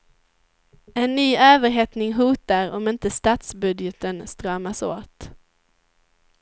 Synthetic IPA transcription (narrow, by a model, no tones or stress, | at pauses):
ɛnːyːøːvəɾɦeːt̪nɪŋɦuːt̪aɾɔ̰mɪnt̪əst̪ɑːt̪sbɵd̪jɛt̪ənst̪ɾɑːmaso̰ːt̪